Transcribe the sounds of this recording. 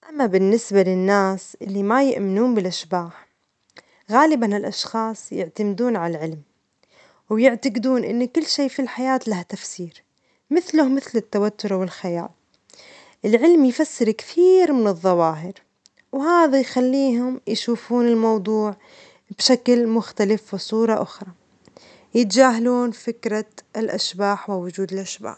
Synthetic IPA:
ʔamːabɪnːɪsbalɪnːaːsʔɪlːimajɪʔmɪnuːnbɪlʔaʃbaːħ | ɣaːlɪbanɪlʔɑʃxɑːsˤjɪʕt̪amd̪uːnʕaalʕɪlm | wjɪʕt̪aɡd̪uːnʔɪ̰nːkʊlːʃiːfilħajaːt̪lahat̪afsiːɾ | mɪθlʊhmɪθlɪt̪ːawat̪ːʊɾˤawɪlxaja̰ːl | ʔɪlʕɪlmjfasːɪɾkt̪iːɾmɪnɨðˤːɑwɑːɦɪɾ | wɦaːðajxalːiːɦʊmjʃuːfuːnɪlmɑwd̪ˤuːʕ | b̥ʃaklmʊxt̪alɪfwɪsˤuːɾˤɑʔʊxɾˤɑ | jɪt̪d͡ʒaːɦaluːnfɪkɾˤalʔaʃbaːħwɪwːʊd͡ʒuːd̪ɪlʔaʃba̰ːħ

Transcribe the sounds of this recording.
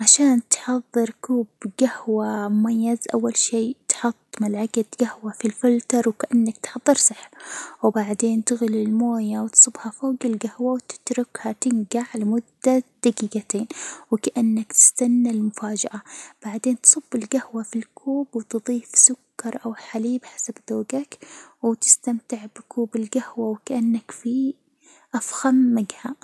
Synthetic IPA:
ʕaʃaːnt̪ħɑðˤːɨɾkuːbɡahwamʊmajːazʔa̰wːalʃiːt̪ħʊt̪ˤːmalʕaɡad̪ɡ̥ahwafilfɪlt̪ɑɾˤwkaʔanːakt̪ħɑðˤːɨɾsˤɨħbwbaʕd̪eːnt̪ɪɣɪlɪlmoːjawt̪sˤɨbhafoːɡɪlɡahwawt̪ɪ̥t̪ɾʊkhat̪ɪŋɡaʕlɪmʊd̪ːad̪̥aɡiːɡat̪eːnwɪkaʔanːakt̪ɪ̥st̪anːalmʊfaːd͡ʒaʔab̥aʕd̪eːnt̪sˤɨbːɪlɡahwafilkʰuːbwt̪ɨðˤiːfsʊkːɑɾˤʔawħaliːbħḁsabd̪oːɡakwt̪ɪ̥st̪amt̪ɪʕbɪkʰuːbɪlɡahwawkaʔanːakfi | ʔafxamːaɡha

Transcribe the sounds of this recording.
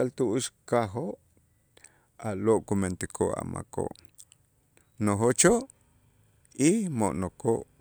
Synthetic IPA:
alt̪uʔuʃkaɦoʔ | aloʔkument̪ikʰoʔa̰ma̰ko̰ʔ | noɦoʔt͡ʃoʔ | imoʔnokoʔ

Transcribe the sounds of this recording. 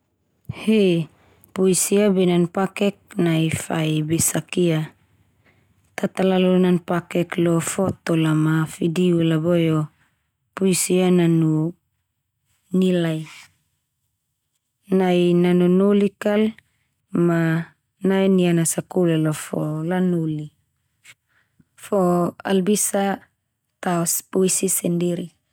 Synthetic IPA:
he | pujsiabenanpakek̚najfajbesakia | t̪at̪alalonanpakeklofot̪olamafidiulabojo | puisiananu | nilaj | najnanunulikal | ma | najnianasakulalofolanuli | foa̰lbisa | t̪aospuisisendiɾi

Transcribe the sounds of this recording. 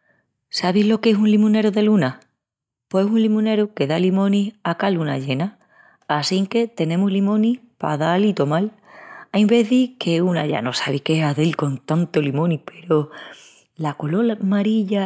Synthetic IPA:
saβ̞iɦlo̞ke̞sunlimũne̞ɾoðe̞luna | pwesunlimũne̞ɾuke̞ðalimõ̞niakaluna̰ʝe̞naː | siŋke̞t̪e̞nẽ̞muɦlimõ̞nihpa̰ðalit̪o̞mal | ajmbe̞ðike̞una̰ʝa̰no̞saβihkeɦaðelko̞nt̪ant̪o̞limõnipʰe̞ɾo̞ | lakolo̞lmaɾiʎa

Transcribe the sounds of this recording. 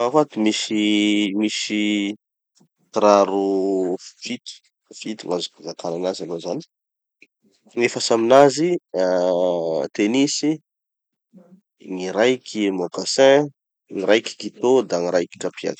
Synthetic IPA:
afat̪umisimisi | t̪ɾaɾu | fit̪u̥ | fit̪umazukazakʰananazalozani̥ | ŋefasaminazi | t̪enisi | ŋiɾajkʰʲimokasɛ̃ | ŋiɾajkʲi̥kit̪od̪aŋiɾajki̥kapia̰d̪̥

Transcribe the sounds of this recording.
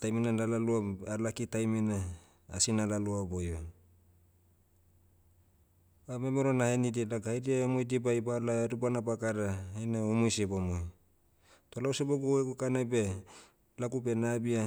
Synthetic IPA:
tajminalalaluaalakitajmina | a̰sinalaluabojo | ame̞meɾonahenidilaɡahjɾiaomojdibajbalaeɾubanabakaɾaeneomojsebomoj | tolauseboɡuekokanabe̞ | lakupe̞nabia

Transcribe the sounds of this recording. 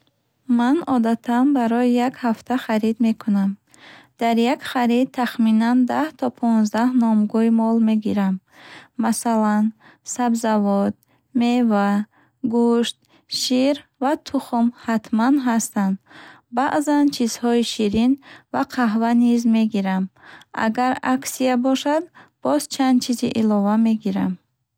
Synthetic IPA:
manɔd̪at̪ʰanbaɾɔjijakhaft̪ʰaχaɾid̪me̞kʰunam | d̪̥aɾjakχaɾid̪̚ʰaχminand̪aht̪ʰɔpʰɔnzd̪ahnɔmɡuimɔlme̞ɡiɾamː | asalan | sabzavɔd̪̚ | me̞va | ɡuʃt̪̚ | ʃiɾvat̪ʰuχumhat̪ʰmanɦast̪and̪ | baʔzant͡ʃʰiz̥hɔiʃiɾinvaqʰaɦvanizme̞ɡiɾama̰ɡaɾaksiabɔʃad̪b̥ɔzt͡ʃʰand̪̚t͡ʃʰiziʔilɔvameɡiɾam

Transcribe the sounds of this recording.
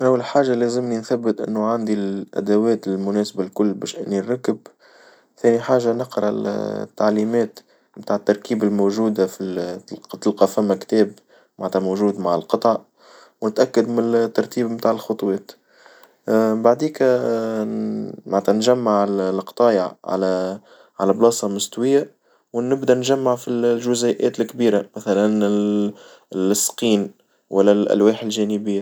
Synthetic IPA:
ʔawːallħaːʒalæːzɪmninθæbːət̪ʔɪ̰nːuʕand̪ilʔæ̰d̪awɛːt̪ɪlmʊnɛːsbalkʊlːbɛ̰ʃʔɪnːiɾˤɾɑkːəb | θɛːniħaːʒanəqɾɑ̰t̪ːaʕliːmɛːt̪ | mt̪aːʕət̪ːɑɾˤkiːbɪlmoʒuːd̪afilt̪ːɪlqɑfæmːakt̪ɛːb | mant̪ɑmoʒuːd̪maʕɪlqɑt̪ˤɑʕ | wnɪt̪ʔækːad̪mɪnt̪ːɑɾˤt̪iːbmt̪aːʕɪlxʊt̪ˤwɛːt̪ | baʕd̪iːk | maʕt̪ænʒæmːaʕllqt̪ˤɑːjaʕʕa̰læ | ʕalæblɑːsˤɑmʊst̪wɪjːa | wnɪbd̪ænʒæmːaʕfillʒʊzɪʔɛːt̪ɪlkbiːɾamæθælænɪ | lsːqiːn | wælːælʔæ̰lwɛːħɪlʒɛːnɪbɪjːa

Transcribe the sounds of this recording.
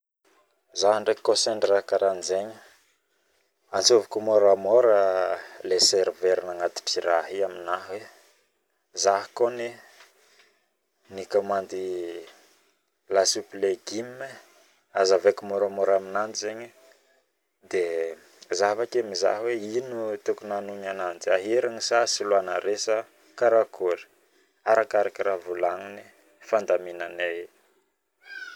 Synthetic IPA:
zaɦəɳɖ͡ʐekkːoseɳɖ͡ʐrakaɾanizeɲə | ant͡sovukumoɾamoɾəleseɾveɾinaŋat̪i̥ʈ͡ʂiɾaɦiaminaɦwe | zaɦkoni | nikamand̪i | lasupleɡimːe | azavekimoɾomoɾaminanzeɲi | d̪e | zavakemiza̰ɦweinut̪ukunanuɲanand͡ʒiaɦeɾaɲisasiluanə̰ɾesa | kaɾakuɾi̥ | aɾakaɾakiɾavulaŋini | fand̪aminane

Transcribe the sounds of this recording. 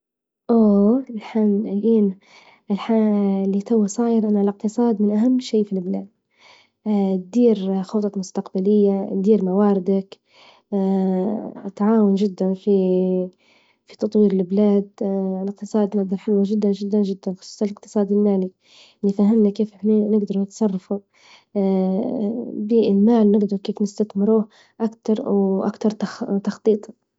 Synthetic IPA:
ʔoːɪlħanʔiːn | ɪlħalːit̪awːasˤɑːjɪɾʔanːalɪq̚t̪ɨsˤɑːd̪mɪnʔaɦamːʃeːfilblaːd̪̚ | t̪̚d̪iːɾxot̪ˤɑmʊst̪aqbalɪjːad̪iːɾmawaːɾɪd̪akː | t̪ːaʕaːwʊnʒɪd̪ːanfi | fit̪ɑt̪ˤwiːɾɪlblaːd̪lɪq̚t̪ɨsˤɑːd̪nɪɡd̪ˤɑɾˤħalwaʒɪd̪ːanʒɪd̪ːanʒɪd̪ːanxɑ̥sˤuːsˤɑlɪq̚t̪ɨ̥sˤɑːd̪ilːaːli | lifaɦɪmnakeːfninɪɡd̪ɑɾunɪt̪sˤɑrˤːɑfu | biɪlmaːlnɪɡd̪ɑɾukeːfnɪst̪aθmɪɾuːh | ʔakt̪ɑɾˤwʔa̰kt̪ɑɾˤt̪ɑxt̪ɑxt̪ˤiːt̪ˤɑ̥

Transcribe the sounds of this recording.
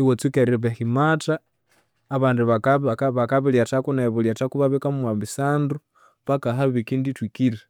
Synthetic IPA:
iwot͡sikeɾieβeximataː | βaːndiβaβakaβiljatakunaeβuljatakuβaβekamumwambisaːndu | βakaɦaβikinditwikile

